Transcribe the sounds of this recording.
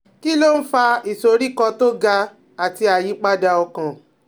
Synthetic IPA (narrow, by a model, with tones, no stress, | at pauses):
ki˦lo˦n̩˦fa˧i˨so˨ɾi˦kɔ˧to˦ɡa˧ | a˨ti˧a˨ji˨˦k͡pa˦da˧ɔ˧kã˨